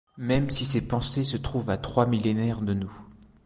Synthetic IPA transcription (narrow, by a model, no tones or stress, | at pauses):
mɛmsisepɑ̃sesət̪χuvat̪χwamilenɛʁd̪ənu